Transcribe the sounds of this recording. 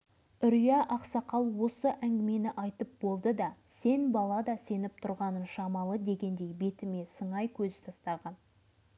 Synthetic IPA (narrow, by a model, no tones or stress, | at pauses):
ʏɾijɑʔɑqsɑqɑlˠwo̞səʔæŋɡʲɪme̞nɪʔɑjt̪əp̚bo̞lˠd̪əd̪ɑse̞nbɑlˠɑd̪ɑse̞nɪp̚t̪ʰʊɾʁɑnənʃɑmɑlˠəd̪e̞ɡʲe̞nd̪e̞jbe̞t̪ɪme̞səɴɑjkʲʰɵzɪ̥t̪ʰɑst̪ɑʁɑn